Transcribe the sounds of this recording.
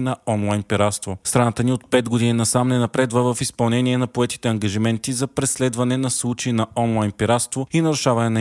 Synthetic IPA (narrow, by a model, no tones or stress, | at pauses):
nɐɔnlˠajnpiɾat̪st̪vost̪ɾanat̪əniot̪̚pɛd̪ɡod̪ininɐsamnɛnɐpɾɛd̪vəvəfispɐlˠnɛniɛnɐpoɛt̪i̥t̪ɛɐŋɡɐʒimɛnt̪izɐpɾɛslɛd̪vɐnɛnɐslˠut͡ʃɛinɐɔnlˠajnpiɾat̪st̪voinɐɾʊʃavɐnɛnɐ